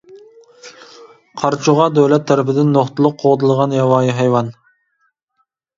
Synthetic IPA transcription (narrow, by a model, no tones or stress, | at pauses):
qʰɑɾt͡ʃʰuʁɑd̪øwlɛt̪ʰːɛɾɪpɪd̪ɪnːoχt̪ɨlˠʊq̚ʰːoʁd̪ɨlˠəʁɑnjɑwɑːjiɦɑjwɑn